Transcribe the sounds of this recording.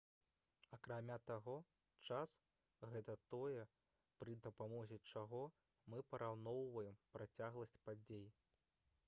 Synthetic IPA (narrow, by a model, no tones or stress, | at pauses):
ɐkɾamʲat̪aɣɔ | t͡ʂas | ɣɛt̪ɐt̪ɔjɛ | pɾɨd̪ɐpamɔzʲɛt͡ʂaɣɔ | mɨpɐɾʔawnɔwvɐjɛmpɾat͡sʲaɣlˠɐsʲt͡sʲpad͡zʲej